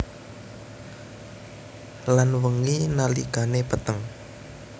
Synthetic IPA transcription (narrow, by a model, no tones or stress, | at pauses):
lanwəŋinaliɡ̥anepət̪əŋ